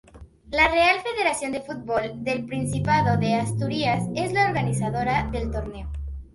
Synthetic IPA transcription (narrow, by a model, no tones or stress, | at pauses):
lare̞alfe̞ðe̞ɾasjo̞nd̪e̞fut̪̚bold̪e̞lpɾinsipaðo̞ðe̞ast̪uɾiase̞zlaoɾɣanis̬aðo̞ɾaðe̞lt̪o̞ɾne̞o